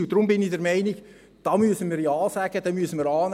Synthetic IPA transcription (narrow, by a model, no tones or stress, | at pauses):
ʊd̥ɾʊmbɪnidɛɾmɛɪniɡ̥ | d̥ɑːmyəsənmiːɾjɑːsæɡəd̥ɛmyəsənmiːɾɑːn